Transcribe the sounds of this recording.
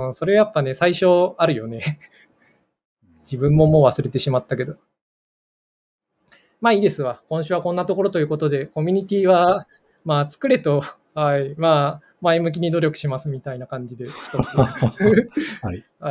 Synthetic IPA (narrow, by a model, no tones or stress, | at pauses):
ɯ̃so̞ɾe̞ajapːane̞saiɕo̞aɾɯ̟jo̞ne̞ | d͡ʑibɯ̟̃mːo̞mo̞ːβasɨɾe̞t̪e̞ɕimat̪ːake̞d̪o̞ | maːiːd̪e̞sɨβakõ̞ɰ̃ɕɨːβakõ̞nːat̪o̞ko̞ɾo̞t̪o̞jɯ̟ːko̞t̪o̞d̪e̞ko̞mʲiɲ̟it̪ʲiːβa | maːt͡sɨ̥kɯ̟ɾe̞t̪o̞ | haimaː | maemɯ̟k̬ʲiɲ̟id̪o̞ɾʲo̞kɯ̟̥ɕimasɨmʲit̪ainakãɲ̟d͡ʑid̪e̞çi̥t̪o̞t͡sɨ